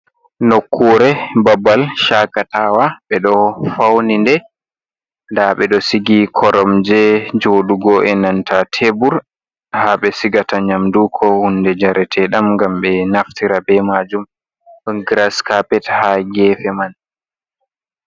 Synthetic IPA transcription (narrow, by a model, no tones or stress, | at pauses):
nokʰːuɾɛbabːalʃakatawaɓɛɗɔfawnindɛ | ndaɓɛɗɔsiɡikʰɔɾɔmd͡ʒɛd͡ʒoːɗuɡɔʔɛnantʰatʰebuɾ | haɓɛsiɡataɲamdukʰɔhundɛd͡ʒaɾɛtʰɛɗamŋɡamɓɛnaftiɾabɛmad͡ʒum | ŋɡɾaskapɛthaɡɛːfɛman